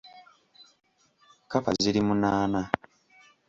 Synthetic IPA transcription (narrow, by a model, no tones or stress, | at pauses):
kafa̰ziɾimunaːna